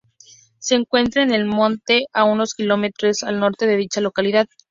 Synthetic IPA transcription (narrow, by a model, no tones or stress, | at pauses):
se̞ːŋkwe̞nt̪ɾaene̞lmõ̞nt̪e̞ʔauno̞skilo̞me̞t̪ɾosalno̞ɾt̪e̞ðe̞ðit͡ʃalo̞kaliðað